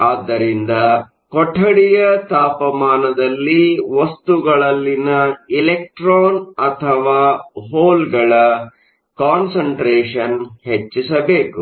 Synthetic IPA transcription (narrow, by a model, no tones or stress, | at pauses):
aːd̪ːɐɾind̪ɐ | kɔʈʰːɐɽijɐt̪aːpɐmaːnɐd̪ɐlːiʋɐst̪uɡɐɭɐlːinɐilek̚ʈɾoːnɐt̪ʰɐʋaːɦoːlɡɐɭɐ | kaːnsɐɳʈɾeːʂɐnɦet͡ʃːisɐbe̞ːku